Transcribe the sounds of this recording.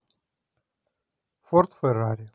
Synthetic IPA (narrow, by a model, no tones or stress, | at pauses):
fort̪feɾaɾʲ